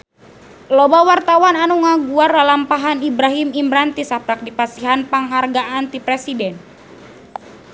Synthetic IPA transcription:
lobawart̪awananuŋaɡuardalampaɦanibɾaɦimimbɾant̪isapɾak̚dipasiɦanpaŋɦarɡaʔant̪ipɾɛsidɛn

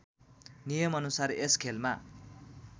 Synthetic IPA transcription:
nijʌmʌnusareskʰelma

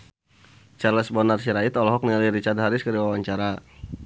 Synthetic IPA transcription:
t͡ʃarlɛsbɔnarsiɾaɪt̪ɔlɔɦɔk̚niŋaliɾit͡ʃad̪ɦaɾɪskəɾiwawaɲt͡ʃaɾa

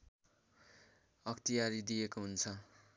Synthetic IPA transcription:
ʌkt̪ijaɾid̪ijekoɦunt͡sʰʌ

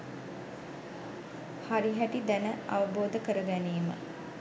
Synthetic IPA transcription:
haɾiɦæʈid̪ænəa̰ʋəboːd̪əkəɾəɡæneːmə̰

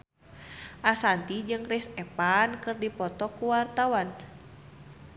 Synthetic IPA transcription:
ʔasant̪id͡ʒɨŋrɛsɛpankɨrdipɔt̪ɔkuwart̪awan

